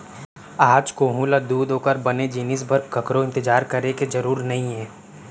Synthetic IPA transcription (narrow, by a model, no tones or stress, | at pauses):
aːd͡ʒkoːɦulad̪uːd̪oːkəɾbɐned͡ʒiːnɪs̬bʱɐɾkɐkɾõɪ̃nt̪ɪd͡ʒaːɾkɐɾekezɐɾuːɾnɐɦĩɦɛː